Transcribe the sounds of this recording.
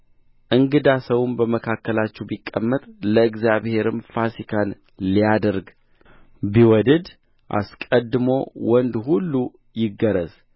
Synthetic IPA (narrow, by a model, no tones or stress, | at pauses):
ʔɨŋɡɨd̪asəwumbəməkʰakːəlat͡ʃːɛwbikʼːəmːət̪ʼləɨɡzjaβhe̞ɾɨmfasikʰan | lijad̪əɾɡ | biwɔd̪əd̪ | ʔa̰skʼəd̪ːɨmo̞wɔnd̪hulːu | jɪɡːəɾəz̥